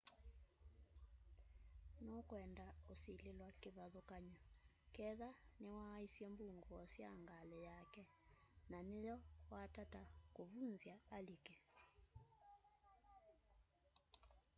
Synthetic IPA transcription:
nokwɛndaosilelwakeβaðokaɲɔ | kɛðanewaisjɛmbuŋɡɔɔsja̰ŋɡalɛjakɛ | nanejɔwatatakoβunzjaalikɛ

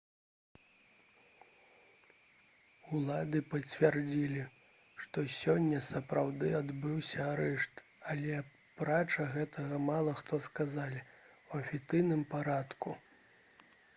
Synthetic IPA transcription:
ulˠad̪ɨpɐt͡sʲvʲard͡zʲilʲi | ʂt̪ɔsʲɔnʲːɐsɐpɾawd̪ɨad̪bɨwsʲɐaɾɛʂt̪ | alʲɛ | pɾat͡ʂɐɣɛt̪ʰɐɣɐmalˠɐxt̪ɔskazalʲi | wɐfʲit̪sɨjnɨmpaɾat̪ku

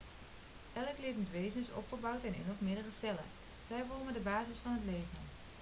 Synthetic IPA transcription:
ɛləklɪtnətʋejzənɪsɔ̰pχəbawtɛnɪ̰noχmɪdərəsɛlə̰ | z̥ɛjʋolmədəbaːzɪsfɑnɦətlejvən

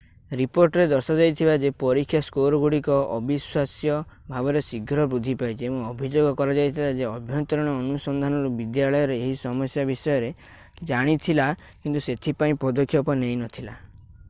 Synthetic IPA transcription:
ɾipoɾʈɔɾed̪ɔɾsad͡ʒajt̪ʰibad͡ʒepɔɾikʰːjaskoɾɔɡuɽikɔɔ̰biswasjɔbʱabɔɾesiɡʱɾɔbɾud̪ʱipajt͡ʃʰiemuɔbʱid͡ʒoɡɔkɔɾad͡ʒajt̪ʰilad͡ʒeɔbʱjɔnt̪ɔɾɔɽ̃ɔːnusɔnd̪ʱanɔlobid̪jaɭɔjɔɾeeɦisɔmɔsjabisɔjɔɾe | d͡ʒaɽ̃it̪ʰila | kint̪uset̪ʰipaĩpɔd̪ɔkʰːjɔpɔnejnɔt̪ʰila

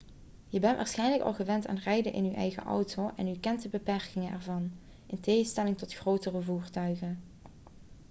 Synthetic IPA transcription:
jəbɛntʋʔa̰ːɹsχɛjnləkɑ̰lˠɣəʋɛnta̰ːnrɛjdəʔɪ̰nyʔɛjɣə̰ʔɔ̰wtowʔɛ̰nykɛntəbəpɛɹkɪŋənʔɛ̰ɹvɑn | ʔɪnteːɣəstɛlɪŋtɔtxrowtərəvuːɹtœɥɣən

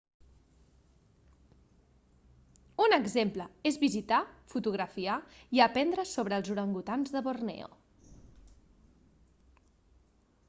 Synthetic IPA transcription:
unəɡzempləezβizit̪afut̪uɣ̞ɾəfiaiəpɛnd̪ɾəsoβ̞ɾəːlˠzuɾəŋɡut̪anzðəβornḛo̰

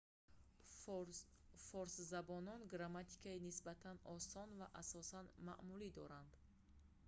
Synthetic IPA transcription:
fɔɾszabɔnɔnɡɾamat̪ʰi̥kʰainisbat̪ʰanɔsɔnvaʔasɔsanma̰ʔmulid̪ɔɾand̪̥

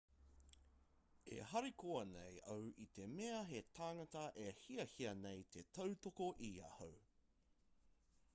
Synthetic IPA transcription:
ḛɦɐɾikʰoɐnḛjʔɐwʔit̪e̞meɐɦet̪ʰaːŋɐtɐʔehiɐhiɐnejt̪ʰe̞tʰɐwt̪okoʔiɐ̰how

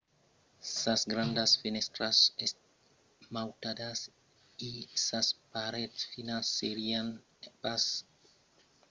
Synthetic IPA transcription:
sasɡɾand̪asfinest̪ɾasest | mawt̪ad̪as | isaspaɾet̪sfinasːeɾian | pas

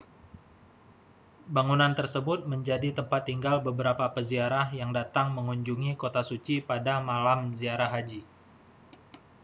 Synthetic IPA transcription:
baŋunant̪ərsəbʊt̪̚məɲd͡ʒadit̪əmpat̪ːiŋɡalbəbəɾapapəziaɾahjaŋdat̪aŋməŋuɲd͡ʒuŋikot̪asut͡ʃipadamalamziaɾaɦad͡ʒi

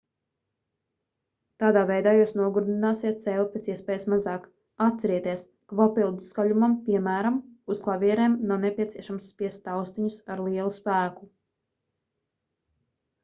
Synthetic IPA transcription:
t̪aːd̪aːvɛjd̪aːjuːsnuɔɡuɾd̪inaːsiɛt̪̚sɛːlˠupʲet̪siɛspɛːjsmazɑːk | at̪t̪sɛɾiɛt̪iɛs | kapapilˠd̪uskalumampiɛmæːɾamusklˠavʲiɛɾeːmnawnepʲiɛt̪siɛʃamsːpʲiɛst̪ːawst̪iɲusaɾlˠiɛlˠuspæːku

